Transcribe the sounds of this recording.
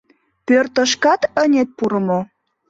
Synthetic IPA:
pørt̪əʃkɑt̪ənʲet̪̚puɾəmo

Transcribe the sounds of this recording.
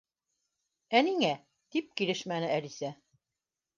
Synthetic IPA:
æniŋæ | d̪̥ip̚kiɾɘʃmænɘælisæ

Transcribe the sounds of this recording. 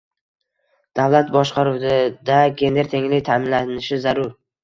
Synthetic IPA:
d̪̥avlˠat̪̚bɒʃqɑɾuwd̪ɪd̪aɡʲe̞nd̪eɾt̪ʰe̞ŋlɪk̚ʲt̪ʰamɪnlanɪʃɪzaɾʊɾ

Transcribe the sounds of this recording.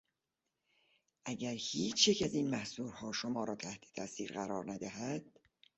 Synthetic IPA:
ʔæɟæɾhiːt͡ʃʰjecʰæziːnmæhsuːɾhɒːʃomɒːɾɒːt̪ʰæht̪ʰe̥t̪ʰæsiːɾɣæɾɒːɾnæd̪æɦæd̪̥

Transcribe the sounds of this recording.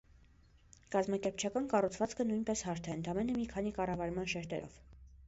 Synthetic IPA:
kɑzmɑkɛɾpt͡ʃʰɑkɑnkɑrut͡sʰvɑt͡skʰənujnpɛshɑɾt̪ʰɛənt̪ʰɑmɛnəmikʰɑnikɑrɑvɑɾmɑnʃɛɾt̪ɛ̰ɾɔ̰v̥

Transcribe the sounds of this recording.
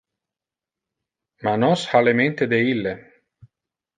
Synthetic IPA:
manɔshalement̪ed̪eilːe

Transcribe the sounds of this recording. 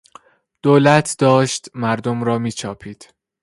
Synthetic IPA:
d̪̥oːlæt̪ʰd̪̥ɒːʃt̪mæɾd̪omɾɒːmiːt͡ʃʰɒːpʰiːd̪̥

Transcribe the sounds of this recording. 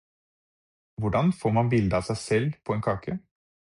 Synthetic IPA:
ʋʊɖɑnfoːɾmɑnbɪld̪əɑːsæɪsɛlːpʰɔeːnkʰɑːkʰə

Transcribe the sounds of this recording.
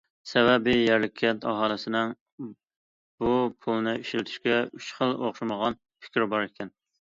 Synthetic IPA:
sɛbɛbɪjæɾlɪkʲʰːɛt̪ɑɦɑːlˠɨsɪnɪŋ | b̥upʰulˠnɪiʃlɪt̪ʰy̥ʃkʲɛyt͡ʃχəlˠoχʃɑməʁɑn | pʰɪ̥kʲʰɾɪbɑɾɪkʲʰɛn

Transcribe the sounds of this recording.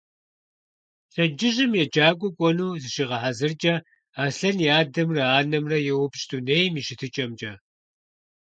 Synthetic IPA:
ɬʼɐd͡ʒɪʑɪmjɛd͡ʒʼaːkʷʼʊkʷʼɔnuːzɨʃiʁɐħazɨrd͡ʒʼɐ | aːɬɐnjaːdɐmrɐaːnɐmrɐjɛwʊpʃʼduneːjmiʃɪtʰɨt͡ʃʼɐmd͡ʒʼɐ

